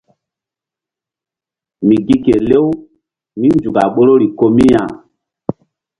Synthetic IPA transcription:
mi˨ɡi˦ke˨le˦w | mi˦nd͡ʒu˨ka˨ɓo˦ɾo˦ɾi˨ko˦mi˦ja˨

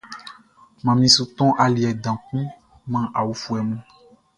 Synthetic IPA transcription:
mã˨mĩ˨su˨t̪ɔ̃˦ʔa˨li˨ɛ˨dã˨kũ˦ | mã˦ʔa˨wu˦fu˦ɛ˨mũ˦

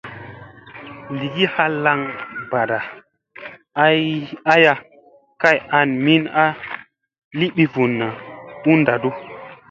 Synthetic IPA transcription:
li˨ɡi˦ha˦la˦ŋba˨ɾa˨ | a˦a˦ja˧ | ka˦˨ja˧˨nmi˦na˦ | li˦ɓi˦vu˨nːa˨u˦nda˨du˦

